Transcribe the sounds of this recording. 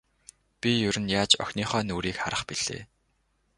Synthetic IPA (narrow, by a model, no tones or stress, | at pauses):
pʲijɵɾɘ̆njaːt͡ɕœ̰xʲniːχœːnuːɾiːkχaɾə̆χpiɮ̥ḛː